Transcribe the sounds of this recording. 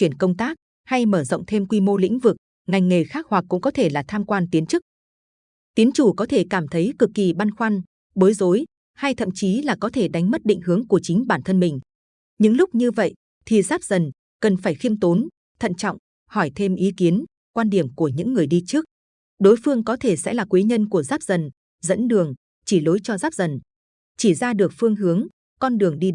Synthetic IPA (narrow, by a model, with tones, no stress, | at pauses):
t͡ɕwi˧˩ənkə˧wŋ͡mt̪aː˦˥k̚ | ha˧jməː˧˩zə̰˧˨ŋ͡mt̪ʰe˧mkwi˧mo˧lḭ˧˥ŋ̟vɨ˨˩k̚ | ŋa˨˩jŋ̟ŋe˨˩xaː˦˥k̚hwa˨˩k̚ːʊ̰˧˥ŋ͡mkɔ˨˦t̪ʰe˧˩laː˨˩t̪ʰaː˧mkwaː˧nt̪i˨˦ənt͡ɕɨ˦˥k̚ | t̪i˨˦ənt͡ɕu˧˩kɔ˨˦t̪ʰe˧˩kaː˧˩mt̪ʰə˨˦jkɨ˨˩kːi˨˩ɓa˧nxwa˧n | ɓo˨˦jzo˨˦j | ha˧jt̪ʰə̰˧˨mt͡ɕi˨˦laː˨˩kɔ˨˦t̪ʰe˧˩ɗa˨˦ŋ̟m˦˥t̚ɗḭ˧˨ŋ̟hɨ˨˦əŋku˧˩ət͡ɕï˨˦ŋ̟ɓaː˧˩nt̪ʰə˧nmï˨˩ŋ̟ | ɲɨ̰˧˥ŋlʊ˦˥k͡p̚ɲɨ˧və̰˧˨jʔ | t̪ʰi˨˩zaː˦˥p̚z̥ə˨˩n | kə˨˩nfaː˧˩jxi˧əmt̪o˨˦n | t̪ʰə̰˧˨nt͡ɕɔ̰˧˨wŋ͡m | hɔ˧˩jt̪ʰe˧mʔi˨˦ki˨˦ən | kwaː˧nɗi˧˩əmku˧˩əɲɨ̰˧˥ŋːɨ˨˩əjɗi˧t͡ɕɨ˦˥ək̚ | ɗo˨˦jfɨ˧əŋkɔ˨˦t̪ʰe˧˩sɛ̰˧˥laː˨˩kwi˨˦ɲə˧nku˧˩əzaː˦˥p̚zə˨˩n | zə̰˧˥nɗɨ˨˩əŋ | t͡ɕi˧˩lo˨˦jt͡ɕɔ˧zaː˦˥p̚zə˨˩n | t͡ɕi˧˩zaː˧ɗɨ˨˩ək̚fɨ˧əŋɦɨ˨˦əŋ | kɔ˧nɗɨ˨˩əŋɗi˧